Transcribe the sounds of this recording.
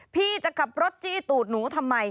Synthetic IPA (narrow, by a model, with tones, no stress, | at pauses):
pʰiː˥˩t͡ɕa˨˩ka˨˩p̚ɾo˦˥t̪̚t͡ɕiː˥˩t̪uː˨˩t̪̚nuː˩˦t̪ʰa˧mːa˧j